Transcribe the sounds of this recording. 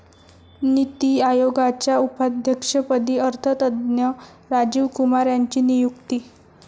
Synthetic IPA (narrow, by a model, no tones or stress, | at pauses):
nit̪iajoɡat͡ɕjaupad̪ʱjəkʂəpəd̪iːəɾt̪ʰət̪əd̪njə | ɾad͡ʑiʋkumaɾjaɲt͡ɕiːnijukt̪iː